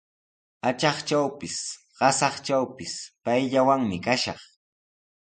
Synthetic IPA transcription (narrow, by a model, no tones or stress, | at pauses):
at͡ʃɑχt͡ʃawpɪs | ɢ̥ɑsɑχt͡ʃawpɪspajʎawaŋmɪkaʃɑχ